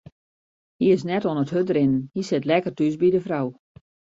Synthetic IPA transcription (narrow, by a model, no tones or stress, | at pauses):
hiɪs̬nɛtonəthøtrɪnənhisɪtlɛkərtysbidəfraw